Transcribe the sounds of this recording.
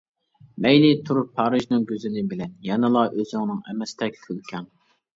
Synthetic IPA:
mɛjlɪt̪ʰuɾupʰːɑːɾɨʒnɨŋɡʲøzɪnɪbɪlɛnjɑnɨlˠɑʔøzyŋnɨŋɛmɛst̪ʰɛk̚ʲk̪ʰølkʲʰɑŋ

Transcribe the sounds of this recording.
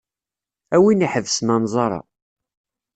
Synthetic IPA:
æwiniħəvsmænzˤɑɾˤɑ̰

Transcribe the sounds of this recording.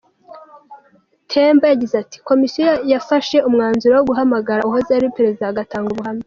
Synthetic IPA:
tʰe̞ːmbajaɟizati̥ko̞misijojjafaʃe̞umŋaːnzuɾawoɡuɦamaɡaɾauɦozaɾipeɾe̞zidaaɡataːŋɡuβuɦami

